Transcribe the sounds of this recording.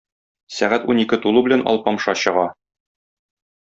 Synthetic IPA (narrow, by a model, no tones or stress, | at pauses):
sæʁæt̪unikɘt̪ulˠubɘ̆lænʔɒ̰lˠpɒmʃɑɕɤ̆ʁɑ